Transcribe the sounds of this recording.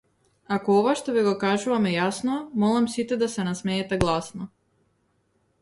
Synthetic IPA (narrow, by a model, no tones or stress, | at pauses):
akoɔvaʃt̪ɔviɡɔkaʒuvamɛjasnɔmɔlˠamsit̪ɛd̪asɛnasmɛɛt̪ɛɡlˠasnɔ